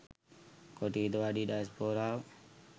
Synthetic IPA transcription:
koʈiːd̪ʋaɖiːɗajspoːɾaw

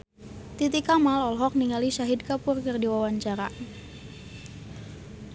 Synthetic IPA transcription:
t̪it̪ikamalɔlɦɔk̚niŋaliʃaɦidkapʊrkɨrdiwawaɲt͡ʃaɾa

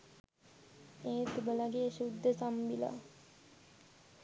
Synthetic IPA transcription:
eːt̪ubəlaɡeʃud̪ʱːəsambila̰

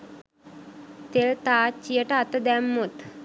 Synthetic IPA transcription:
t̪elt̪aːt͡ʃːijəʈəat̪əd̪ɛmːut̪

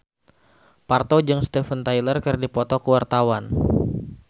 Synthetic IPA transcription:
part̪od͡ʒɨŋst̪ɛfənt̪ajlərkɨrdipɔt̪ɔkəwart̪awan

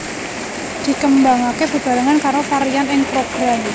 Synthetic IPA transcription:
d̪̥i̤kəmbaŋakeb̥əb̥ä̤ɾaŋankaɾofaɾijanɪŋpɾoɡ̥ɾam

